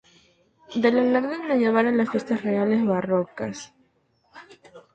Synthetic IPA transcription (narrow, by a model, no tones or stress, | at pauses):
d̪elalaɾðenoʝeβaɾonlasfje̞st̪asreale̞zβarokas